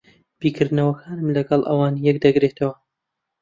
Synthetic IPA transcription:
b̥iːkɨɾd̪nɐwɐkʰaːnɨmlɐɡɐlˠʔɐ̰waːnjɛkd̪ɐɡɾeːt̪ʰɐwɐ

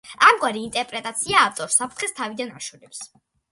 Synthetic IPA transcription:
amɡwaɾiːnt̪ʼɛɾpʼɾɛt̪ʼat̪sʰiaːft̪ʼɔɾsapʰɾt̪χɛst̪ʰavid̪anaʃulɛps

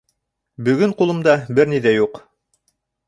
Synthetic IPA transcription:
bɵ̆ɡɵɴqulˠɤ̆md̪ɑbɘɾniðæjuq

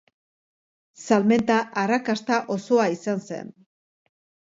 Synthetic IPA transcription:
salme̞nt̪aʔarakast̪aʔo̞so̞aisanse̞̰n

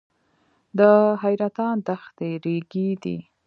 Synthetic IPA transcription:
d̪əɦajɾat̪ɑnd̪axt̪eɾeɡid̪ḭ

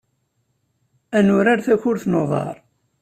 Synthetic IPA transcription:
ænʊɾaɾθæçʊɾθnoðˤɑ̰ɾˤ

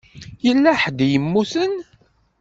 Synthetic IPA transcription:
jəlːæħd̪jəmːusən

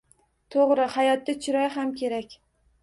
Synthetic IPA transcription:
t̪ʰoʁɾɪhajɒt̪ːat͡ʃʰɪɾɒjɦamkʲʰe̞ɾakʲ

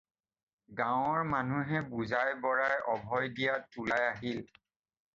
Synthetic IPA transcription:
ɡaw̃ɔɹmanuɦɛbuzajbɔɹajʔɔbʱɔjdijatulajaɦil

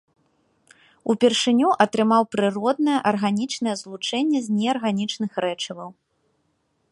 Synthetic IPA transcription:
upʲɛrʂɨnʲuʔɐt̪ɾɨmawpɾɨrɔd̪̚nɐjɐʔɐrɣanʲit͡ʂnɐjɛzlˠut͡ʂɛnʲːɛzʲnʲɛɐrɣanʲit͡ʂnɨxɾɛt͡ʂɐvɐw

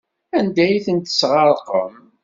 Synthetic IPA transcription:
ænd̪æjθənt̪ə̥sʁɑɾˤqəm

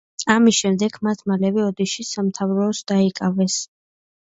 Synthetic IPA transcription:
amisʃɛmd̪ɛɡmat̪ʰmalɛvɛɔd̪iʃisamt̪ʰavɾɔːsd̪̥aikʼavɛs

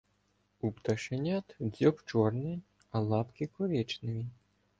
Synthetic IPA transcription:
upt̪ɐʃenʲat̪dʲɔpt͡ʃɔrnɪ | ɐlˠɑpkʲikɔɾʲɛt͡ʃnɪʋʲi

